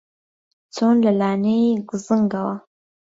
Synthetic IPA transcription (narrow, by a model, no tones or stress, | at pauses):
t͡sonlalɑneɡzəŋɡawa